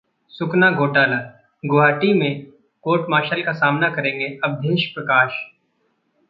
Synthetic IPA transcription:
sʊknaɡʱoːʈaːlaː | ɡʊɦaːʈimẽ | koːɾʈmaːʃəlkasaːmnakɐɾẽːŋɡeɐbd̪ʱeːʃpɾɐkaːʃ

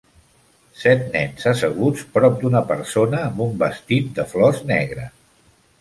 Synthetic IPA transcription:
sɛt̪nɛnzəsəɣut͡spɾɔp̚d̪unəpəɾsonəːmbumbəst̪it̪̚d̪əflɔznɛ̰ɣɾə

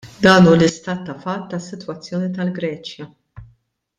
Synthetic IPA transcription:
d̪ɐːnuːlɪst̪ɐːt̪ːɐfɐt̪ːɐsːɪt̪wɐt͡sːjɔːnit̪ɐlɡɾɛːt͡ʃjɐ

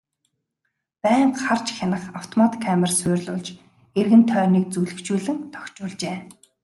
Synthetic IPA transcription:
pæːɴχart͡ɕxʲanə̆χaw̥t̪ʰɔmat̪kʰːæːmɪ̆rsʊːrʲɮʊːɮt͡ɕ | erɣɘ̆nt̪ʰœːniːk̚t͡sujɮɘ̆kt͡ɕuːɮɘ̆ŋt̪ʰɔ̥kʲt͡ɕʊːɮt͡ɕeː

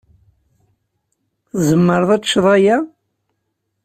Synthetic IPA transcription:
θzəmːəɾˤðˤæt͡sʃðˤɑjæ

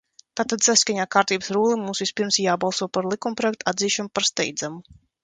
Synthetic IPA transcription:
t̪aːt̪ːad̪saskaɲaːkaːɾt̪iːbə̥sɾuːlˠimuːsvispiɾmsjaːbalˠsuɔpaɾlˠikumpɾɔjɛk̚t̪uad̪ziːʃanupaɾst̪ɛ̰jd̪zamu

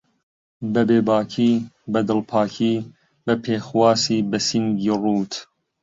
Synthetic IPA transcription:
bɐbeːbaːkʰiːbɐd̪ɨlpʰaːkʰiː | bɐpʰeːxwaːsiːbɐsiŋɡiːruːt̪ʰ

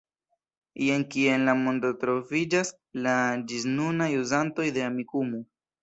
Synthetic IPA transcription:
ienkie̞nlamo̞ndotɾo̞vid͡ʒas | lad͡ʒiznunajuzanto̞jde̞amikumo

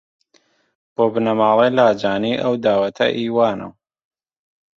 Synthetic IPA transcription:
b̥oːbɨnɐmaːlˠelaːd͡ʒaːniːʔɐwd̪aːwɐt̪ʰɐ̰ʔiːwaːnɐ̰w

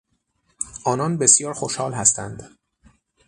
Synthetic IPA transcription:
ʔɒːnɒːnbesjɒːɾxoʃhɒːlɦæst̪ænd̪

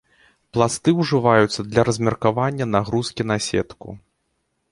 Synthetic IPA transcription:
plˠast̪ɨwʐɨvajut̪sːɐd̪lʲɐɾɐzʲmʲɛrkavanʲːɐnaɣɾuskʲinasʲɛ̰t̪kṵ

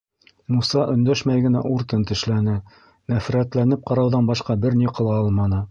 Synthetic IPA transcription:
musɑʔɵ̆nd̪æʃmæjɡɘ̆næ̰ʔuɾt̪ɤnt̪ɘ̆ʃlænɘ | næfɾæt̪lænɘp̚qɑɾɑwðɑnbɑʃqɑbɘɾniqɤ̆lˠɑɑlˠmɑnɤ

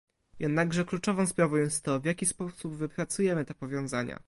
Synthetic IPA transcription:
jʔɛd̪naɡʐɛklut͡ʂɔvɔ̃w̃spɾavɔ̃w̃jɛst̪ːɔvʲjakʲispɔsubvɘpɾat̪sujɛmɘt̪ɛpɔvʲjɔ̃w̃zaɲa̰

